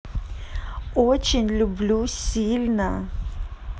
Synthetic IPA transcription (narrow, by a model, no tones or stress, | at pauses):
ot͡ɕɪnʲlʲʊblʲusʲilʲnə